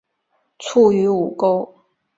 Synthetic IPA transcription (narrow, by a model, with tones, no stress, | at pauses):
t͡sʰu˥˩y˧˥u˨˩ko˥ʊ